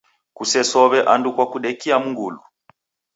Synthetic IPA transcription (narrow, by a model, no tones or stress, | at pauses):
kusɛsɔβɛʔandukwakuɗɛkiamuŋɡṵlu